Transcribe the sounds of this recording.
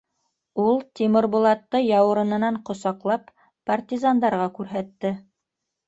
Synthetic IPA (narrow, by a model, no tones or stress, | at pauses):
ulˠt̪ʲimɪ̆ɾbŭlˠɑt̪ːɤjɑwɤ̆ɾɤ̆nɤ̆nɑɴqŏsɑqlˠɑp | part̪ʲizand̪ɑɾʁɑkʉɾɦæt̪ːɘ